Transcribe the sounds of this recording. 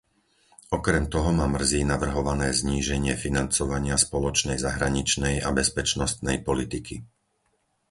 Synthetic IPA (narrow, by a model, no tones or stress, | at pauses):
ɔkɾɛmt̪ɔɦɔmaːmr̩ziːnaʋr̩ɦɔʋanɛːzɲiːʒɛɲɪɛfinant͡sɔʋaɲɪaspɔlɔt͡ʃnɛjzaɦɾaɲit͡ʃnɛja̰bɛspɛt͡ʃnɔst̪̚nɛjpɔlit̪ikʰi